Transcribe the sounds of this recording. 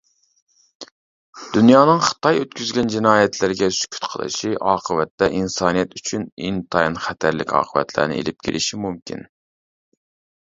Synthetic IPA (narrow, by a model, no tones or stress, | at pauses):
d̪̥ynjɑːnɨŋχə̥t̪ʰɑjøt̪kʲʰyzɡʲɛnd͡ʒɪnɑːjɛt̪ʰlɪɾɡʲɛsy̥kʲʰy̥t̪qʰə̰lˠɨ̰ʃiʔɑːqʰəvɛt̪ːɛʔinsɑːnijɛt̪yt͡ʃʰynint̪ʰɑjnχæt̪ʰæɾlɪ̰kʲʰɑ̰ːqʰəvɛ̰t̪ʰlæ̰ɾnɪ̰ḛlɪp̚kʲʰḛlʔɪʃimumkʲḭn